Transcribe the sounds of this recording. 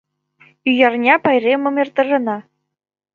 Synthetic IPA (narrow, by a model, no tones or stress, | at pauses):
yjɑrnʲɑpɑjrʲemɤ̆mert̪ɤ̆ʐɤ̆nɑ